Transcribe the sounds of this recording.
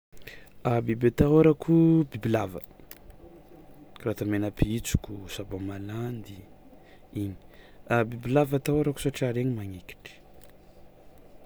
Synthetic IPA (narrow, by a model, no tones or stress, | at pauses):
abibet̪aɦwaɾakʰubibilavə̰ | krat̪amenapiit͡su̥kʲusabomaland̪i | iɲi̥abibilavat̪awaɾaku̥saʈ͡ʂaɾeɲimaŋeki̥ʈ͡ʂi̥